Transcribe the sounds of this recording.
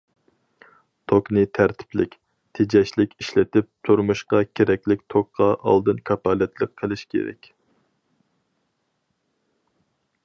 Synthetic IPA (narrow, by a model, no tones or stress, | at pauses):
t̪ʰoknɨt̪ʰæɾt̪ʰɪ̥plɪkʲ | t̪ʰed͡ʒɛʃlɪkʲiʃlɪt̪ɪp̚t̪ʰuɾmuʃqɑkʲʰeɾɛkʲlɪk̚ʲt̪ʰok̚qʰɑʔɑ̰lˠd̪ɨnkʰɑpɑːlɛt̪ʰlˠəqʰːəlˠɪʃkʲʰḛɾɛ̰kʲ